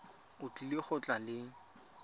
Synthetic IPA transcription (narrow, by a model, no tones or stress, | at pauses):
ʊt͡ɬʼulɪχʊt͡ɬʼalɪ